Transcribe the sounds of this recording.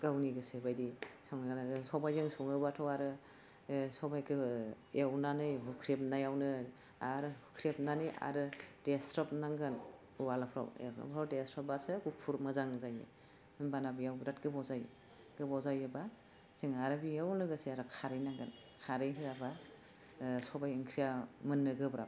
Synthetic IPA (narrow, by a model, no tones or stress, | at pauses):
ɡawniɡɯsebajdisɔŋnɡansɔbajzɯŋsɔŋɯbatʰɔwaɾɯ | sɔbajkʰɯ | jawnanɯjɦukʰɾep̚najawnɯ | aɾɯhukʰɾep̚nanɯjʔa̰ɾɯdestɾɔp̚naŋɡɯn | uwalapʰɾa̰wḛpʰɾawdestɾɔp̚asɯɡupʰuɾmɯzaŋzajɯ̰ | ɯnbanabijawbɾatɡɯbawzaj | ɡɯbawzajɯba | z̥iŋaɾɯbijawnɯɡɯsiaɾɯkʰaɾɯjnaŋɡɯn | kʰaɾɯjɦiɾaba | sɔbajiŋkʰɾijamɯnːɯɡɯbɾa̰